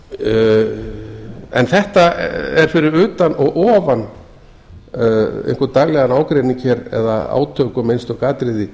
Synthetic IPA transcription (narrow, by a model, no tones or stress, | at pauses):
ɛ̰nθɛht̪aɛɾ̥fɪɾɪɾʏːt̪anɔɣʔɔːvan | ḛjnŋ̥kœɾt̪aɣlɛɣanaːwkɾejniɲcʰɛɾɛ̰ða̰a̰ːwt̪ʰœːkʏmejnst̪ɔkaːt̪ɾɪðɪ